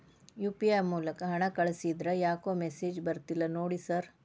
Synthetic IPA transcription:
juːpijamuːlɐkɐɦɐɳɐkɐɭsid̪ɾɐjaːkoːmesiːd͡ʒbɐɾt̪ilːɐnoːɽisɐɾ

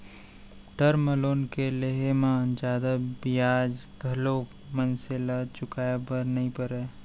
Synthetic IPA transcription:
ʈəɾməloːnkeleɦemãd͡ʒaːd̪abijaːd͡ʒ | ɡʱɐloː | mənselat͡ʃʊkaːjebəɾnəĩpəɾeː

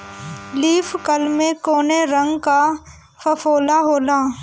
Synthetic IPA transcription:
liːfkəlmẽkoːneɾə̃ŋɡka | fəfoːlaɦoːlaː

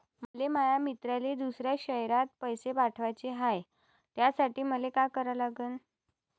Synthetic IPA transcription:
məlemajamit̪ɾaled̪usɾjaɕəɦjɾat̪̚pəjsepaʈʰʋajt͡ɕeɦaj | t̪jasaʈiːməlekajkəɾəlaɡəːn

